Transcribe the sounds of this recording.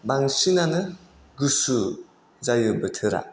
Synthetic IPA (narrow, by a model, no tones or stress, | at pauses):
baŋsinanɯ | ɡusu | zajɯbɯtʰɯɾa̰